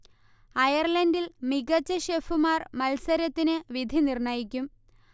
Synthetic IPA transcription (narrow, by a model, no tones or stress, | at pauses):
ɐjɐrlɐndilmiɡɐt͡ɕːɐɕe̞ːfumaːrmɐlsɐɾɐt̪ːinɨʋid̪ʱinirɳɐjikʲːum